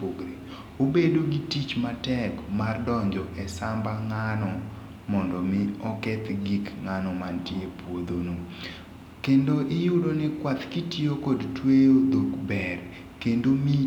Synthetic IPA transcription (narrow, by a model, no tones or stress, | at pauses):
poɡɾe | obedoɡitit͡ʃmatɛkmardɔɲd͡ʒɔʔɛsambaŋanɔ | mɔndɔmɪɔkɛt̪ɡikŋanɔmantjepwod̪ono | kendoʔɪjudonɛkwat̪kitjokɔdtwejod̪okbɛr | kendomi